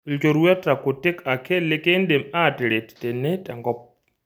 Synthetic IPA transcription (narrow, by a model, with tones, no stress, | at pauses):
lt͡ʃo˨ɾwɛ˦ta˨ko˨te˦ka˨kʰe˦le˦ke˦nde˨ma˦˨te˨ɾe˨tte˨ne˦ta˨ŋɡɔ˦p̚